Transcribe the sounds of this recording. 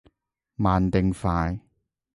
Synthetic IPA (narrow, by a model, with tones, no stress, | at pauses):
maː˨nt̪ɪ˨˧ŋfaː˧j